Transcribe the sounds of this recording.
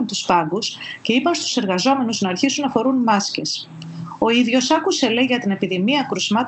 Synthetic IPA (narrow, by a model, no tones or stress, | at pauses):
nt̪uspɐŋɡusce̞ipɐnst̪u̥se̞ɾɣɐzo̞me̞nuznɐːɾçisunːɐfo̞ɾunmɐsce̞s | o̞iðʝo̞sɐkuse̞le̞ʝɐt̪ine̞piðimiɐkɾusmɐt̪